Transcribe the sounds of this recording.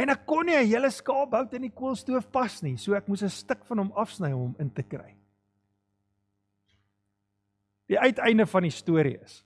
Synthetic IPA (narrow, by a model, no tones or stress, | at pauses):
ɛnækːɔnːiəɦiələskɑːbœwtəndikuəlˠstuəfpɐsnisuəækmusəstəkfɐnɦɔmɐfsnəjɔməntəkrɛ̰j | d̥iœɥtɛjndəfɐnistuəɾḭə̰s